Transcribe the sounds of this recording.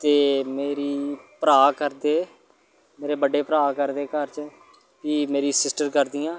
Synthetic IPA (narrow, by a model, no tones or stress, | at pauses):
t̪eːmeːɾiːpəɾaːkəɾd̪eː | meːɾeːbəɖeːpəɾaːkəɾd̪eːkəɾt͡ʃ | piːmeːɾiːsɪsʈəɾkəɾd̪iːjãː